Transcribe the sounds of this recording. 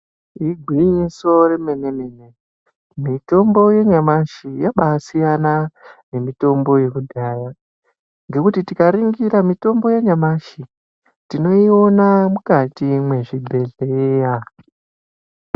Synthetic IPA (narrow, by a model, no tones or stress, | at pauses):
iɡʱwiɲiso̞ɾe̞me̞ne̞me̞ne̞ | mito̞mbo̞je̞ɲamaʃijaɓasijanane̞mito̞mbo̞je̞kudʱaja | ŋɡe̞kutitikaɾiŋɡiɾamito̞mbo̞jeɲamaʃi | tino̞io̞namukatimwe̞ʐibʱe̞ɮeja